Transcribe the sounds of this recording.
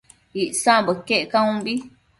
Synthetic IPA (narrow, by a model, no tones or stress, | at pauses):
iʔsãʔbɨkeʔkãũbi